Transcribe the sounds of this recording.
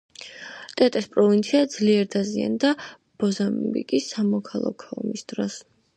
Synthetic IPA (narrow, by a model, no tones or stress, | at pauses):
t̪ʼɛt̪ʼɛspʼɾɔvint̪sʰiad̪zliɛɾd̪azia̰nd̪a | b̥ɔzambḭkʼisːamɔkʰalˠa̰kʰɔmisd̪ɾɔs